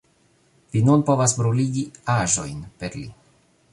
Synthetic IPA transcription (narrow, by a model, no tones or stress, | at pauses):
vinunpo̞vasbɾuliɡiaʒo̞jnpe̞ɾlḭ